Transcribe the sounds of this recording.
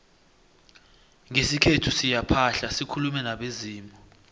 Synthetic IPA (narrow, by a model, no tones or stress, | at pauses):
ŋesikʰetʰusijapʰaɬasikʰulumɛnaɓeziːmɔ